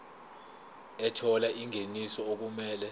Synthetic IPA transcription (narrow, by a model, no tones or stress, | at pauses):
ɛtʰɔlaʔiŋʱenisɔok̬umɛːlɛ